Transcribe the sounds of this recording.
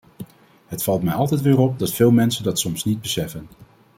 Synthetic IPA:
ɦətfɑlˠtmɛjɑlˠtɛjtʋɪːrɔp̚dɑtfɪːlˠmɛnsəndɑtsɔmsnid̚bəsɛfən

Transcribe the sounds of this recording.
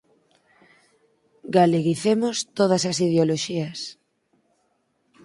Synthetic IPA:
ɡaleɣiθemost̪oð̞ɐsɐsið̞eoloʃiɐs

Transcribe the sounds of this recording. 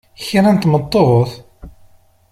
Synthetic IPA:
çiɾˤænt̪mət̪ˤːoʁoθ

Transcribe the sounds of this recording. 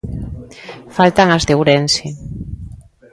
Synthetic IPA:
falt̪aŋazðewɾensi

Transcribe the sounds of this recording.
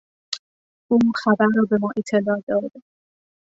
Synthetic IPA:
ʔuːxæbæɾɾɒːbe̞mɒːʔet̪ʰːe̞lɒːd̪ɒːd̪

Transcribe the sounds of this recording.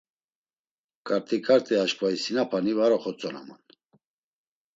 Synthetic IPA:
kʼaɾt̪ʼikʼaɾt̪ʼɛaʃkʰʼvaisinapʰanivaɾɔχɔt͡sʼɔna̰ma̰n

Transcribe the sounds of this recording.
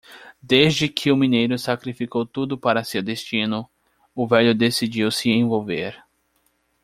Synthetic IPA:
d̪ezd͡ʒɪkʰɪʊmĩnejɾʊsakɾifikowt̪ud̪ʊpaɾɐsewd̪est͡ʃĩnʊ | ʊvɛʎʊd̪esid͡ʒiwsɪẽvowveɾ

